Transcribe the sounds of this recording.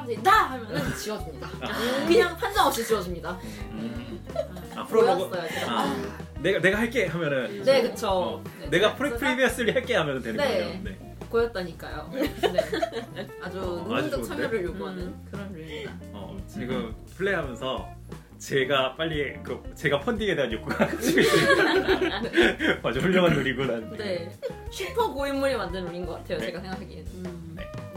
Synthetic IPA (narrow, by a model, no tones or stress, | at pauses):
dat͡ɕiʌd͡ʑimɲidaakɯɲaŋɸand͡ʑaŋʌp̚ɕ͈it͡ɕiʌd͡ʑimɲida | apʰɯɾos͈ʌjoeaaneɡane̞ɡahaɭk͈e̞ɦamjʌnɯnne̞kɯt͡ɕʰoene̞ɡapʰɯɾeɯɾibiʌs͈ɯɾihaɭk͈e̞ɦamjʌnɯntwe̞nɯnene̞ | kojʌt̚t͈aɲik͈ajone | ad͡ʑuuaid͡ʑ͈ʌt͡ɕʰamjʌɾɯɭjoɡoɦanɯnkɯɾʌnuɭa | ʌ̰t͡ɕeɡɯpʰɯɭːeɦamjʌnsʰʌ | t͡ɕe̞ɡap͈aʎːikɯt͡ɕe̞ɡapʰʌndiŋe̞deanjok͈uɡaɡd͡ʑ͈ʰiii | mad͡ʑouɭːʌŋanuɾiɡunanɯne | ɕʰipʰʌɡoinːuɾimandɯnnoɲinɡʌk͈atʰe̞jot͡ɕe̞ɡasʰe̞ŋɡakʰaɡied͡ʑo | ne̞